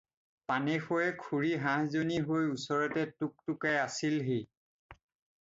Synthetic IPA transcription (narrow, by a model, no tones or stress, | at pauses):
panɛxojɛkʰuɹiɦãɦzoniɦojusɔɹɔtɛtuk̚tʊkɛasilɦe